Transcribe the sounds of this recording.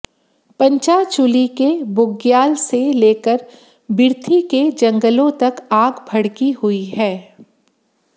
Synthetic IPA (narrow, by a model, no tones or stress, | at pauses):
pɐ̃ɲt͡ʃat͡ʃʊlikebʊɡjaːlseleːkəɾ | bɪɾt̪ʰiked͡ʒɐ̃ŋɡəlõt̪ɐkaːɡbʱɐɽkihʊiɦɛː